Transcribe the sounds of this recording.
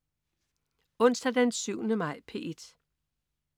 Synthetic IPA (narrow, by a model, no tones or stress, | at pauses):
ɔ̽n̰sd̥æd̥ensyʊnəmɑ̈ɪ̰pʰe̝ed̥